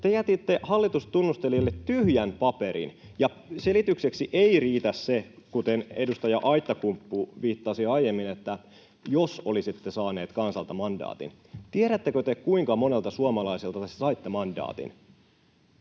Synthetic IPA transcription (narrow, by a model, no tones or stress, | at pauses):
t̪ejæt̪it̪ːehɑlːit̪ust̪unːust̪elilːet̪t̪yhjænpɑpeɾḭnjɑ | selit̪ykseksiʔeiriːt̪æssekut̪enedust̪ɑjɑʔɑit̪ːɑkumpːuʋiːt̪ːɑsiɑijemːinet̪ːæ | josolisit̪ːesɑːneːt̪kɑnsɑlt̪ɑmɑndɑ̰ːt̪ḭn | t̪ieɾæt̪ːekøt̪ekkuiŋkɑmonelt̪ɑsuɑmɑlɑiselt̪ɑt̪essɑit̪ːemɑndɑ̰ːt̪ḭn